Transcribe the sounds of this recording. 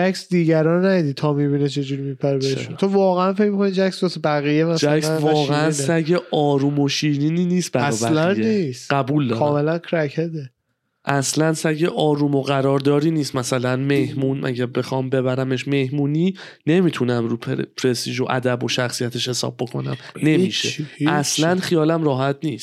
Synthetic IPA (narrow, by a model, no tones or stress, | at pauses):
d͡ʒæksd̪iːɟæɾɒːnnæid̪it̪ʰɒːmibinet͡ʃʰe̞d͡ʒuɾimipʰæɾibḛnt̪ʰovɒːɣeænfec̚mikonid͡ʒæcsbɒsebæɣijemæsd͡ʒæksævːɣeænsæɟeʔɒːɾuːmoʃiːniːniːniːst̪̚bææɒːbælæneist̪ɢæbuːld̪ɒkːʰɒːme̞lænkʰɾæcʰed̪e | ʔæslænsæɟeʔɒːɾuːmo̞ɣæɾɒːɾd̪ɒːɾiːniːst̪mæsælænmehmuːnʔæ̰ɟæɾbe̞xɒːmbe̞bæɾæme̞ʃme̞hmuːniː | ne̞mit̪ʰunæmɾuːpʰpʰɾest̪iʒoʔæ̰d̪æbo̞ʃæxsijæt̪ʰeʃhe̞sɒ̰ːb̚ːo̞kʰo̞̰næ̰mne̞miʃeæslænχijɒːlæmɾɒːɦæt̪̚ʰniːst̪